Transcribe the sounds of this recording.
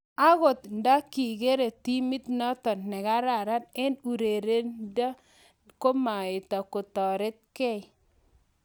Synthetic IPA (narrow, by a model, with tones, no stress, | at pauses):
a˦ɣo˨t̪nda˦ki˨ɡe˦ɾe˨ti˦mi˦t̪nɔ˦tɔ˨nːɛ˨ka˦ɾa˨ɾa˦nɛ˦nu˨ɾe˨ɾe˦nda˦ | ko˦ma˨ɪ˨ta˨ko˨tɔ˨ɾe˦t̪̚kɛ˦˨